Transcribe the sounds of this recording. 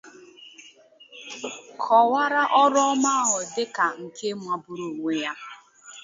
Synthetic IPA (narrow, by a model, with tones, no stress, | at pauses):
kʰɔ˨wa˦ɾa˦ʔɔ˦ɾma˦a˦ɦʊ˨dɪ˦ka˨ŋ̩˨kʰe˦mʷa˦bʊ˦ɾu˨ŋʷe˦ja˦